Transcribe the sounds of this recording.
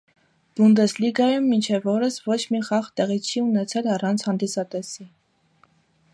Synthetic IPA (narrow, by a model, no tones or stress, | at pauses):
b̥und̪ɛsliɡɑjumːint͡ʃʰɛvɔɾəsvɔt͡ʃʰmiχɑχt̪ɛʁit͡sʰt͡ʃʰiunɛt͡sʰɛlɑrɑnt͡sʰhɑnd̪isɑt̪ɛsi